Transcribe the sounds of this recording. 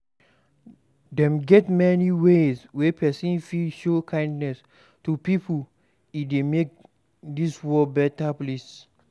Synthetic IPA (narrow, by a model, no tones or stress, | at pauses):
dɛ̃mɡɛtmɛniweswepʰɛsɔ̃nfilʃokʰãɪ̃ndnɛs | tupipʰu | idemek̚ | diswɔbɛtaples